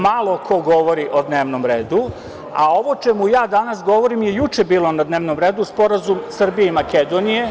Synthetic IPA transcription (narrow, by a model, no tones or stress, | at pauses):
malˠo̞kʰo̞ɡo̞ʋo̞ɾiʔod̪ne̞ːʋnomɾe̞ːd̪u | a̰o̞ʋo̞t͡ʃemujaːd̪anasɡo̞ʋoɾimjejut͡ʃe̞biːlˠo̞nad̪neːʋnomɾeːd̪uspo̞ɾazumsr̩bijeimake̞d̪onije